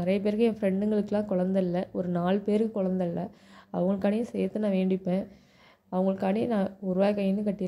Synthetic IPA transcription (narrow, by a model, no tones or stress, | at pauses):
nɪɾɐjɐp̬eːɾkɯɛ̃fɾɛɳɖɯŋɡɐɭɯkːɯlãːkɔɻɐnd̪ɐɪlːɐɔɾɯnaːɭpeːɾkɯkɔɻɐnd̪ɐɪlːɐɐ̰ʋɐŋɡɐɭɯkːaːɳɪjɐ̃sɛjɐt̪ːɯnãːʋeːɳɖɪpːẽː | ɐʋɐŋɡɐɭɯkːaːɳijnãːʊɾʊʋaːjkɐjɪnːɯkɐʈːɪɾ